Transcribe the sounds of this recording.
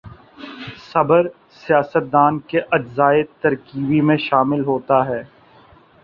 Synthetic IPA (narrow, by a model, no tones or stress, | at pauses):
sɐbəɾ | sijaːsət̪̚d̪aːnkeʔɐd͡ʒzaːɪt̪ɐɾkiːbimẽʃaːmɪlɦoːt̪aɦɛː